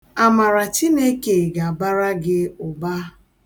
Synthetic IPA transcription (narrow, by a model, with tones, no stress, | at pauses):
a˨ma˨ɾa˨t͡ʃi˦ne˦ke˨ɡa˨ba˦ɾa˦ɡɪ˦ʊ˨ba˦